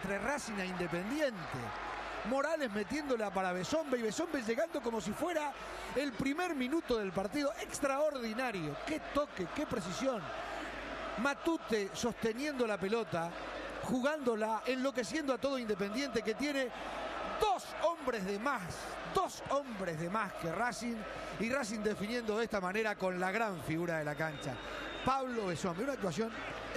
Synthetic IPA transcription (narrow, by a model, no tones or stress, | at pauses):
t̪ɾerasinaind̪e̞pe̞nd̪jent̪ḛ | mo̞ɾale̞zme̞t̪je̞nd̪oleapaɾaβ̞eso̞mbeiβe̞so̞mbeʒeɣand̪o̞ko̞mo̞s̬ifwe̞ɾa | elpɾimeɾmĩnut̪o̞ðe̞lpaɾt̪iðo̞ʔekst̪ɾaoɾðinaɾjoke̞t̪okeke̞pɾe̞s̬isjo̞n | mat̪ut̪eso̞st̪e̞nje̞nd̪olape̞lo̞t̪a | xuɣand̪o̞laʔenlo̞k̬e̞sjend̪oat̪o̞ð̞oind̪e̞p̬e̞nd̪je̞nt̪ek̬e̞t̪je̞ne̞ | d̪osombɾezðemas | d̪osombɾezðe̞maskerasin | iras̬ind̪e̞finjend̪o̞ðest̪amane̞ɾako̞nlaɣɾaɱfiɣuɾaðe̞lakant͡ʃa̰ | paβloðesomeunak̚t̪̬was̬jo̞n